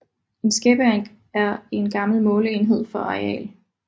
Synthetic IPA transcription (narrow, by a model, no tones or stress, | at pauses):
e̝nsɡ̥eb̥əæŋ̥ | æɐe̝nɡ̥ɑ̈ml̩mɔ̽ːləe̝ːnɦe̝ð̰ˠfɒ̽ɑɛ̰ːl